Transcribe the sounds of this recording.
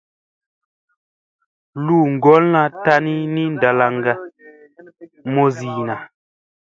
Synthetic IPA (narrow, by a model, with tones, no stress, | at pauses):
lu˦˨ŋ̩˨ɡɔ˨˦lna˦ta˦ni˦ni˦n˨da˨la˨ŋɡa˦ | mɔ˦ziː˨na˨